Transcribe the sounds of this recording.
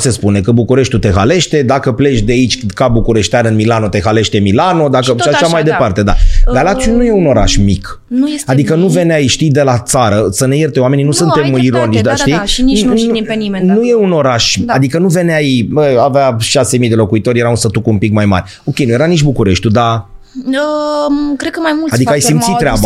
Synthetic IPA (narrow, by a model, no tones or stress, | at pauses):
se̞spune̞kəbukuɾe̞ʃt̪ut̪e̞ɦale̞ʃt̪e̞d̪akəple̞t͡ʃd̪eait͡ʃʲkabukuɾe̞ʃt̪eanɨnmilano̞t̪e̞ɦale̞ʃt̪e̞milano̞d̪akəʃiaʃamajd̪e̞part̪e̞d̪a̰ɡ̪alat̪sjunujeuno̞ɾa̰ʃmik | ad̪ikənuve̞neajʃt̪ijd̪e̞lat̪saɾəsəne̞je̞rt̪eowame̞ninusɨnt̪e̞miɾo̞nit͡ʃd̪aʃt̪ij | nienuje̞unoɾaʃad̪ikənuve̞neajbəaveaʃase̞mijd̪e̞lo̞kuit̪o̞ɾʲje̞ɾaunsət̪ukumpikmajma̰ɾʲ | o̞kʲejnuje̞ɾaniʃbukuɾeʃt̪ʲud̪a | əkɾed̪̚kəmajmulad̪ikəajsimt̪sit̪ːɾeaba